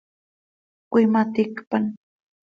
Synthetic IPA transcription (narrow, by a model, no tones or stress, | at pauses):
kʷɪmat̪ɪkpan